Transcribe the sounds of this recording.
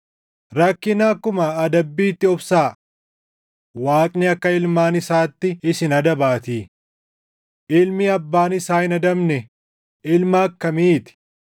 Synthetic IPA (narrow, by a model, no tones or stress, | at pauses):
ɾɐkːɪnaːkːʊmɐːd̪ɐbːiːt̪ːɪɔbsaː | waːkʼnɪɐkːɐɪlmaːnɪsaːt̪ːɪɪsɪnɐd̪ɐbaːt̪iː | ʔɪlmiɐbːaːnɪsaːɪnɐd̪ɐmnɛ | ɪlmaːkːɐmiːt̪ɪ̥